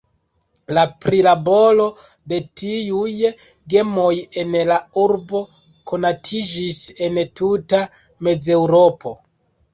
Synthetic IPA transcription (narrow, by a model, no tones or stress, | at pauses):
lapɾilabo̞lo̞ | de̞tiuj | ɡe̞mo̞je̞nlauɾbo̞ | kʰo̞natʰid͡ʒise̞ntuta | me̞d͡ze̞wɾo̞po̞